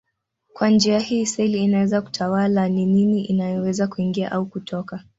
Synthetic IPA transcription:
kwand͡ʒiahiːsɛliːnawɛzaku̥tʰawalanininiʔinajɔwɛzakuiŋɡia̰ʔaukutʰɔka

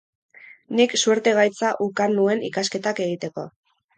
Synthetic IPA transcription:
niksuɾt̪e̞ɣ̞ajt͡saʔukanue̞nḭkaske̞t̪ake̞ɣit̪e̞ko̞

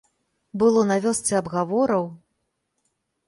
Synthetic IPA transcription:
bɨlˠɔnavʲɔst͡sʲɛɐbɣavɔɾɐw

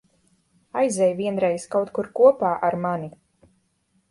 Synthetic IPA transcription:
ajzʲɛjviɛnɾɛjskawt̪kuɾkuɔpaːʔaɾmani

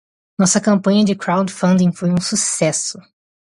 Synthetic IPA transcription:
nɔsɐkɐ̃mpɐ̃ɲɐd͡ʒɪkɾawd͡ʒfɐ̃nd̪ĩŋfojũsusɛsʊ

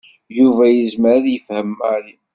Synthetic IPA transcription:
juvæjəzməɾaðjəfhəmaɾi

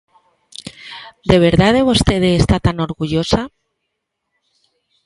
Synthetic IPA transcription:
d̪e̞β̞eɾðaðeβost̪eðeːst̪at̪ano̞ɾɣuʎosa

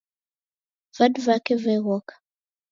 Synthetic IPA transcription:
vadvakɛvɛɣɔkḁ

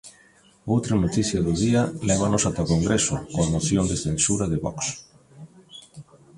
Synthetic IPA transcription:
owt̪ɾanot̪iθjɐðʊðiɐlɛβ̞anosat̪akoŋɡɾesʊkoamoθjond̪ɪθensuɾɐðɪβɔ̰ks

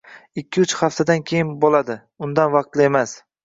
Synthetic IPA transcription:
ɪkʲʰːɪʊt͡ʃχaft̪ʰad̪ankʲʰe̞jɪnbolad̪ɪ | ʊnd̪anvɑq̚t̪lɪe̞mas

